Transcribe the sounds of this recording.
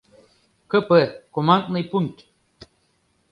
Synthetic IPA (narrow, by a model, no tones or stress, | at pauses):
kəpəkomaŋkʼnɨjpunʲt̪ʲ